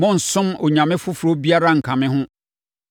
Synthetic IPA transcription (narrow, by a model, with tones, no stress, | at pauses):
mɔ̃˦n̩˨sʊ̃˦mɔ˨ɲã˨mɪ̃˦fʊ˦fɾo˦bi˦a˦ɾa˦ŋ̩˨kʰã˨mɪ̃˦ɦʊ̃˦